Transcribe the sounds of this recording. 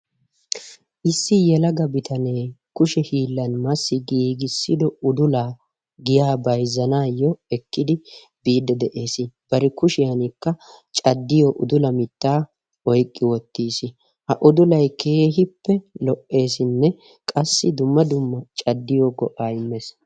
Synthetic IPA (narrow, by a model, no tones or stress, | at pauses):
ʔɪsːɪjɛlɐɡɐbɪt̪ɐneːkʊʃɛhiːlːɐnmɐsːɪɡiːɡɪsːɪd̪ɔʊd̪ʊlaː | ɡɪjaːbɐjzːɐnaːjːɔɛkːɪd̪ɪ | b̥iːd̪ːɛd̪ɛʔe̞ːsɪb̥ɐɾɪkʊʃɪjɐnɪkːɐt͡ʃʼɐd̪ːɪjɔʔʊd̪ʊlɐmɪt̪ːaː | ɔjkʼːɪwɔt̪ːiːsɪ | hɐʔʊd̪ʊlɐjkʰeːɦɪpːɛlɔʔːe̞ːsɪnːɛ | kʼɐsːɪd̪ʊmːɐd̪ʊmːɐt͡ʃʼɐd̪ːɪjɔɡɔʔaːɪmːes